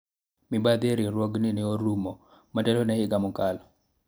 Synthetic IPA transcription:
mibad̪eɾiɾwoɡninioɾumɔ | matɛlonɛɪɡamɔkalɔ

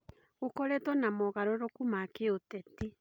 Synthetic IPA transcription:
ɣokɔɾɛtɔnamɔɣaɾoɾokumakeotɛti

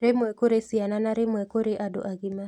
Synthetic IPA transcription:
ɾemwɛkoɾesiananaɾemwɛkoɾeʔado̰ʔaɣima

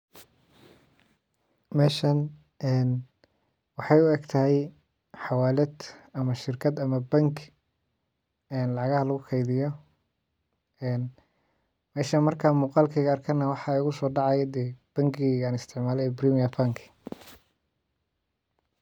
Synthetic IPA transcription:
mɛːʃɐn | ɛːn | wɑħɑjʊɛɡt̪ʰɐɦɛj | ħɑwaːlɛd̪ɐmɐʃɪrkʰɐd̪ɐmɐbɐŋkʰ | ɛːnlɑʕɣɐhɐlɐɣʊkʰɛjðɪjɔ | ɛːn | mɛːʃɐnmɐrkʰaːmuːqɑːlkʰiɣɐrkʰɐnɐwɑħɑʊɣʊsɔːɖɑʕɑjd̪ɛːb̥ɐŋɡiaːnɪst̪ʰɪʕmaːlɛɛbriːmijapʰaŋkʰ

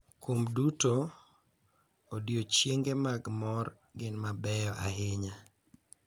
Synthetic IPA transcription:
kwomduto | odjot͡ʃjeŋɡemaɡmɔr | ɡɪnmabɛjɔʔa̰ɦɪɲa

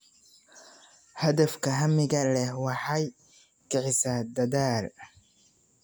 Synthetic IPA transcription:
hɐðɐfkʰɐɦɐmɪɣɐlɛhwɑħɑj | kʰɪʕɪsɐd̪ɐðaːl

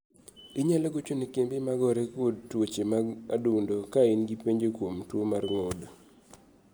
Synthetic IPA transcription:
ɪɲalɔɡot͡ʃunikembimaɡɔɾekodtwot͡ʃemaa̰dundokaɪnɡipeɲd͡ʒekwomtwomarŋod

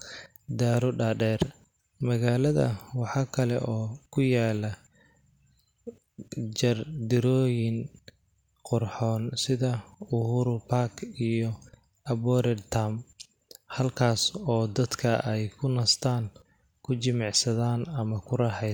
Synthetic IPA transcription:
d̪aːɾʊɖaːɖɛːr | mɐɣaːlɐðɐ̰wɑħɑːkʰɐlɛ̰ʔɔːkʰʊjaːlɐ | d͡ʒɐrd̪ɪɾɔːjɪn | qʊrħɔːnsɪðɐʊhʊɾʊpʰaːkʰijɔ | ʔɐbɔːɾɛdt̪ʰam | hɐlkʰaːsɔːd̪ɐd̪kʰɐʔɛjkʰʊnɐst̪ʰaːŋ | kʰʊt͡ʃɪmɑʕsɐðaːnɐmɐkʰʊɾɐħɛ

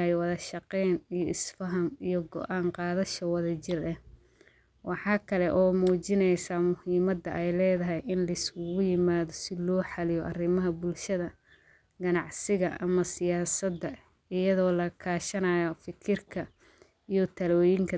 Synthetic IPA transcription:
jwɑðɐʃɑqɛnijɔʔɪsfɐɦɐmijɔɡɔ̰ʔaːɴqɑːðɐʃɐwɑðɐt͡ʃɪrɛh | wʔɑħɑːkʰɐlɛʔɔːmuːt͡ʃɪnɛjsaːmʊhiːmɐd̪ːɐʔɛjlɛːðɐɦɛjɪnlɐɪskʊɣʊjɪmaːðɔsɪlɔːħɑlɪjɔʔɐrɪmɐɦɐbʊlʃɐðɐ | ɡɐnɑʕsɪɣɐʔɐ̰mɐsɪjaːsɐd̪ːɐ | ɪjɐðɔːlɐkʰaːʃɐnaːjɐfɪkʰɪrkʰɐ | ijɔt̪ʰɐlɔːjɪŋkʰɐ

